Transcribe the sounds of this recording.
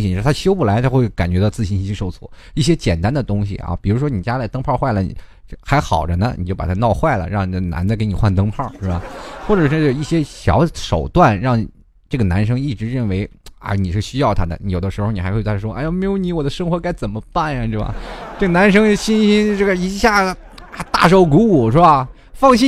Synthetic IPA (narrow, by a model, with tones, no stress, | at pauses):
ɕi˧˥˩t̪ʰa˥ɕjo˥ʊpu˥˩la˧˥ɪt̪ʰa˥xwe˥˩ɪka˨˩nt͡ɕɥɛ˧˥d̪ə˧t͡sɹ̩˥˩ɕi˥ni˥t͡ɕʰy˥ʂo˥˧ʊt͡sʰɔ̰˥˩i˥˩ɕ̬jɛ˥t͡ɕjɛ̰˨˩nt̪a˥nd̪ə˨t̪ʊ˥ŋɕ̬ḭ˨ɐ̰˧˩pi˨˩ɻu˧˥ʂwɔ˥ni˨˩t͡ɕja˥la˧˥t̪ɤ˥ŋpʰɑ˥˧xwa˥˩ɪlə˩nḭ˨˩˥ | xa˧˥ɪxɑ̰˨˩ʊʈ͡ʂə˦nə̰˧nḭ˨˩t͡ɕjo˥˩pa̰˨˩t̪ʰa˥nɑ˥˧ʊxwa˥˩ɪlə̰˩ɻɑ˥˩ŋ˧˩na̰˧˥nd͡zke˧˥ɪni˨˩xwa˥˩nt̪ɤ˥ŋpʰɑ˥˩ʂw̩ɛ˥˩ba̰˧˩xwɔ˥˩ʈ͡ʂɤ˨˩ʂɔ˥˧˩jo˨˩i˥˩ɕjɛ˥ɕjɑ̰˧˥ʊʂo˨˩ʊt̪wa˥˩nɻɑ˥˩ŋ˨˩ | ʈ͡ʂɤ˥˩ɡə˩na˧˥nʂ̬ɤ˥ŋi˥˩ʈ͡ʂɻ̩˧˥ɻə˥˩nwe˧˥ɪa̰˧˩ni˨˩ʂɻ̩˥˩ɕy˥jɑ˥˩ʊt̪ʰa˥d̪ə̰˨˩ni˧˥jo˨˩ʊd̪ə˦ʂɻ̩˧˥o˧ni˩˧˥k̪ʰa˥ʂwɔ˥ʔa˥ɪjo˧˩me˥ɪjo˧˥ʊni˧˥wɔ˨˩d̪ə˦ʂɤ˥ŋxwɔ˧˥ka˥˩ɪt͡sə˨˩mə˦pa˥˩na˧ʈ͡ʂɻ̩˥˩ba̰˧˩ʈ͡ʂɤ˥˩ɡə˩na˧˥nʂ̬ɤ˥ŋɕi˥nɕi˥nʈ͡ʂɤ˥˩ɡə˩i˧˥ɕja˥˩ | a˧˩t̪a̰˥˩ʂ̬o˧˥˩ʊk̬u˧˥u˨˩ʂɻ̩˥˩ba˧ | fɑ˥˧ŋɕi˥